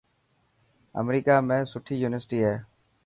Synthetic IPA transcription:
ə̰mɾiːkaːmẽːsʊʈʰiːjuːnɪʋəɾsɪʈiːɦeː

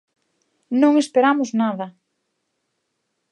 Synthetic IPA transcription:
nõŋespeɾamʊznaðɐ

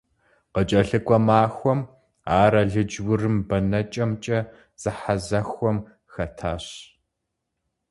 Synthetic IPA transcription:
qət͡ʃʼɐɬɨkʷʼɔmaːxʷɔm | aːɾɐɮɨd͡ʒwʊrɨmbɐnɐt͡ʃʼɐmt͡ʃʼɐ | z̥ɨħazɐxʷɔm | xɐtʰaːɕ

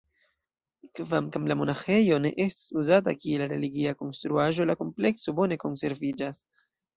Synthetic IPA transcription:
kvamkamlamo̞naxe̞jo̞ne̞ʔe̞stḁsuzat̬akielɾe̞liɡiako̞nstɾuaʒo̞lako̞mple̞kso̞bo̞ne̞ko̞nse̞ɾvid͡ʒas

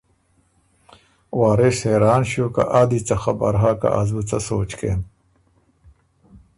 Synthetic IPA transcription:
waːɾesheːɾaːnɕoːka̰ʔad̪it͡sɐxɐbɐ̰ɾɦaːka̰ʔɐzbut͡sɐsoːt͡ɕkḛːn

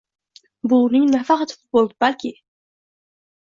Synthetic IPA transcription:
bunɪŋnafɑqɑt̪fʊ̥t̪̚bolˠd̪ɪbalkʲɪ

